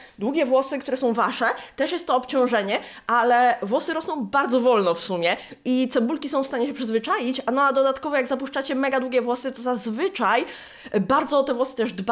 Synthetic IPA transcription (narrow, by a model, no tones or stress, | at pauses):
d̪wuɡʲɛvwɔsɘkt̪uɾɛsɔ̃w̃vaʂɛt̪ɛʂjɛst̪ːɔːpt͡ɕɔ̃w̃ʐɛɲɛʔalɛvwɔsɘɾɔsnɔ̃w̃baɾd̪zɔvɔlnɔfsumʲjɛit̪sɛbulkʲisɔ̃w̃fst̪aɲɛɕɛpʂɨzvɘt͡ʂajit͡ɕanɔad̪ɔd̪at̪kɔvɔjaɡzapuʂt͡ʂat͡ɕɛmɛɡad̪wuɡʲjɛvwɔsɨt̪ɔzazvɘt͡ʂaj | baɾd̪zɔɔt̪ɛvwɔsɘ̥t̪ɛʐd̪ba